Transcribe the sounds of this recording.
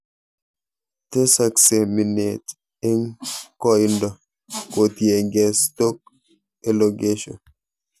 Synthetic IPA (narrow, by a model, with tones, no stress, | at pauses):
te˦sa˨kse˨mi˨ne˨t | e˦ŋkɔ˦ndɔ˨ | ko˨tje˨ɡɛ˨sto˦k̚ | e˦lo˨ɡe˦ʃɔ̰˨n